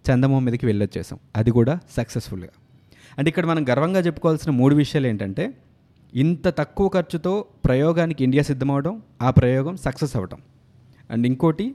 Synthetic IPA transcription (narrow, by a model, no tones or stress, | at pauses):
t͡ʃɐnd̪ɐmoɦmːiːd̪ɐkiʋɛɭːɐt͡ʃːɛːsɐ̰ːmɐd̪ikuːɽaːsɐksesfulɡa̰ː | ɐɳʈeikːɐɽɐmɐnɐmɡɐɾɐʋɐŋɡaːt͡ʃepːukɔːʋaːlsinɐmuːɽuʋiʂɐjaːle̞ːɳʈɐɳʈe̞ː | int̪ɐt̪ɐkːuʋɐkɐɾt͡ʃut̪o̞ːpɾɐjɔːɡaːnikiiɳɖijaːsid̪ʱːɐmɐʋɐʈɐmaːpɾɐjɔːɡɐmsɐksesɐʋɐʈɐ̰m | ɐ̰ɳɖiŋko̞ːʈi